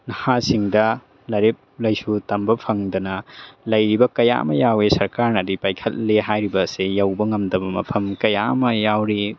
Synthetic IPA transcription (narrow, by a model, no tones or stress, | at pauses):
nɐhasiŋdɐ | lɐɾep̚lɐjsutɐmbɐpʰɐŋdɐnɐlɐjɾibɐkɐja̰mɐjawesɐɾkaɾnɐdipajkʰɐt̚leɦajɾibɐsejɐwbɐŋɐmdɐbɐmɐ̰pʰɐmkɐja̰mɐjawɾi